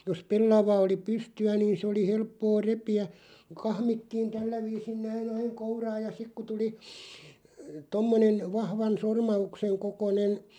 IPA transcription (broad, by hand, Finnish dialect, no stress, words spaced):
jos pelːɑʋɑ oli pystyæ niːn̞ s oli helpːoː repiæ kɑhmitːiːn tælːæ ʋiːsin næin ɑiŋ kourɑːj jɑ sik ku tuli tomːonen ʋɑhʋɑn sormɑukseŋ kokonen